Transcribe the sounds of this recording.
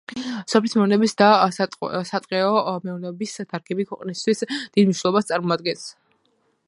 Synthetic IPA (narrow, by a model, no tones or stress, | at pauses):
sɔpʰlismɛunɛbisd̪a | sat̪ʼqʼɛɔmɛɔnɛbisd̪ʰaɾɡʰɛbikʰwɛqʼnist̪ʰwisd̪̥id̪mniʃnɛlˠɔbast̪sʼaɾmɔad̪ɡɛns